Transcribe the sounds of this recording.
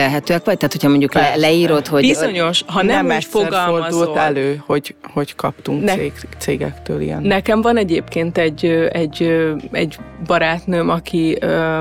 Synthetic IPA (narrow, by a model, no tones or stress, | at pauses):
eɦɛt̪øːɛkʋɒc̚t̪aːt̪hocʰhɒmo̞ɲɟuklɛlɛiːɾo̞t̪hoɟizzoɲo̞ʃɦɒnɛmːɛcffoɾɡɒlormɒd̪zult̪ːɛløːho̞ɟho̞ɟkɒpt̪uŋkneːt̪seːɡɛ̰kt̪ø̰ːlḭjɛ̰nnɛkɛɱvɒnɛɟeːpkeːnt̪ɛɟøɛɟøɛɟbɒɾaːt̪nømɒkʰiø